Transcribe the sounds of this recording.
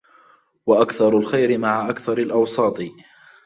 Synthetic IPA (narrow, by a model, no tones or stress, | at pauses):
waʔakθɑɾˤʊlxajɾɪmaʕaʔakθɑɾˤalʔɑwsˤɑːt̪ˤɨ